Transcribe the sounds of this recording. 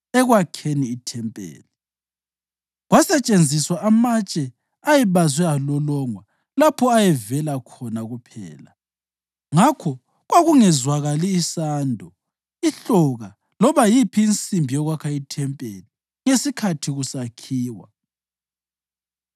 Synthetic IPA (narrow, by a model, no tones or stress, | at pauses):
ɛɣwakʰeniːtʰɛmpʼḛːli | ɣwasɛt͡ʃʼend͡zʱiswaʔːmat͡ʃʼɛ | ajɛβazwɛalɔlɔŋwa | lapʰɔajɛvɛlakʰɔnaɣupʰɛ̰ːla | ŋakʰɔ | ɣwaɣuŋɛzwaɣaliːsaːndʱɔ | iɬɔɣa | lɔβajipʰiːnt͡sʼimbʱijɔɣwakʰaitʰɛmpʼḛli | ŋesikʰatʰiɣusakʰiːwa̰